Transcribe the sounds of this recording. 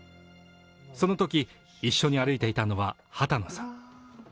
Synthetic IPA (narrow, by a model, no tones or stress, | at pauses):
so̞no̞t̪o̞kʲi | iɕːo̞ɲ̟iaɾɯ̟it̪e̞it̪ano̞βa | hat̪ano̞sãŋ